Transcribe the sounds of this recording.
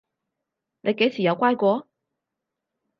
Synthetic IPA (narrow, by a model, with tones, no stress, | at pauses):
nʔe˨˧˥ke˨˥sʰi˨˩ja˧˥ʊkwa˥˧ɪkwɔ˧˥